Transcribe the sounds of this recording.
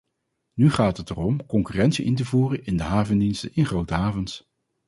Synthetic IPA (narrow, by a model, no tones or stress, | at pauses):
nyχaːtətərɔmkɔŋkyːrɛntsiʔɪntəvuːrənɪndəɦaːvəndinstənɪnχrowtəɦaːvəns